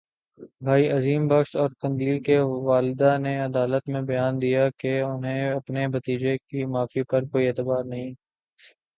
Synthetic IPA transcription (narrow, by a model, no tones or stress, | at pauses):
bʱaːiɐziːmbɐksɔːɾkɐ̃nd̪liːkeʋaːlɪd̪aneɐd̪aːlət̪mẽbɐjaːnd̪ijakeʊnɦẽɐpnebɐt̪iːd͡ʒekimaːfipɐɾkoːieːt̪ɪbaːɾnɐɦĩː